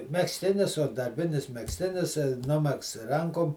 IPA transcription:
mʲɛksʲˈtʲɪnʲɪs oː dɐrʲˈbʲɪnʲɪs mʲɛksʲˈtʲɪnʲɪs ˈnʊmʲɛksts ˈrɐŋkoːm

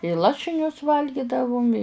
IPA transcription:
ɪ ˈlˠɑːʃʲɪnʲʊs ˈʋɐlʲɡʲɪdɐʋʊm ɪ

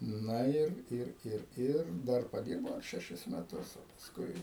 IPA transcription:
ˈnɐ ˈɪr ˈɪr ˈɪr ˈɪr ˈdɐr pɐˈdʲiːrbɐʊ ɐr ʃʲɛˈʃʲɪs mʲɛˈtʊs oː pɐsˈkʊɪ

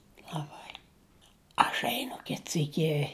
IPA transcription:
lˠɐˈbɐɪ ɐʃ ˈɛɪnʊ ˈkʲɪt ˈsʲiːkʲɪ

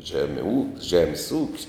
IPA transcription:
ˈʒʲæːmʲɛ uː ˈʒʲæːmʲɪs uːkʲsʲ

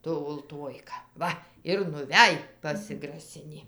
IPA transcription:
ˈtʊ ʊlˠˈtuɔjkɐ ˈʋɐ ɪr nʊˈʋʲæj pɐsʲɪɡrɐˈsʲɪnʲiː

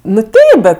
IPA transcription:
nʊ ˈtʲɛɪp bʲɛt

